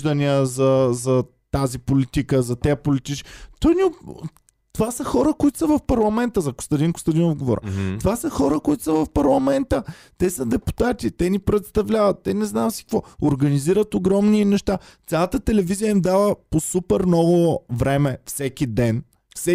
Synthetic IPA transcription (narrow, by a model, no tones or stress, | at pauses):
d̪ɐniəzɐzɐ | t̪azipolit̪ikəzɐt̪ɛəpolit̪it͡ʃt̪ɔjniʊ | t̪ovasəxɔɾəkoit̪ʊ̥sɐvɐfpɐɾlˠɐmɛnt̪əzɐɡo̥st̪ɐd̪ʲinko̥st̪ɐd̪inɔd̪ɡovo̰ɾʔə̰t̪ovasəxɔɾəkoit̪ʊ̥səvɐfpɐɾlˠɐmɛnt̪ət̪ɛsəd̪ɛpu̥t̪at̪it̪ɛnipɾɛt̪st̪ɐvlʲavɐt̪ːɛnɛznasi̥kvɔoɾɡɐniziɾət̪oɡɾɔmninɛʃt̪at̪sʲalˠət̪ət̪ɛlɛvizijəimd̪avəposupɛɾnɔɡovɾɛmɛfsɛk̟id̪ɛn | fsɛ